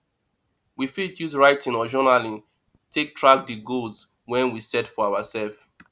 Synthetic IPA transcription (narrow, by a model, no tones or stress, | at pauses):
wifitjuzɹaɪtʰĩnɔd͡ʒɔnalĩŋ | tʰek̚tʰɹak̚diɡolz | wɛ̃nwisɛtfɔawasɛlf